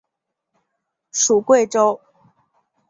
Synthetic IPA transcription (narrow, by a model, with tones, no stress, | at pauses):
ʂu˨˩kwe˥˨ɪʈ͡ʂo˥ʊ